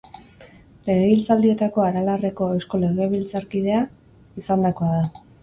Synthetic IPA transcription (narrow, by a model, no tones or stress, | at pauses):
le̞ɣeβilt͡sald̪ie̞t̪ako̞aɾalare̞ko̞ewsko̞le̞ɣ̞e̞βilt͡saɾkið̞e̞a | isand̪ako̞aða